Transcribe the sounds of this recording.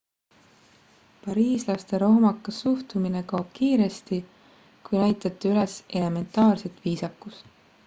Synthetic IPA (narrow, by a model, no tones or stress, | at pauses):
pɑɾiːslɑst̪e̞ɾo̞hmɑkːɑsuht̪umine̞kɑob̥kiːɾe̞st̪i | kujnæjt̪ˑɑt̪ːˑiyle̞se̞le̞me̞nt̪ːˑɑːrse̞t̪viːsɑkːust̪